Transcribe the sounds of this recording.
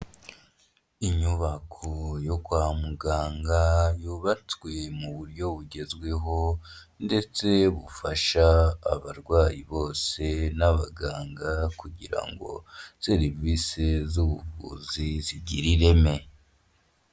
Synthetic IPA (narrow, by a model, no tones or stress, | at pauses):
iɲuβakʰojo̞ɡwaːmuɡaːŋɡajuβatwe̞muβuɾɟo̞βuɟe̞zɡwe̞ɦo̞ | nde̞t͡se̞βufaʃaːβaɾɡwaːjiβo̞ːse̞naβaɡaːŋɡakuɟiɾa̰ŋɡo̞̰se̞ɾivisezuβuvṵziziɟiɾiɾe̞me̞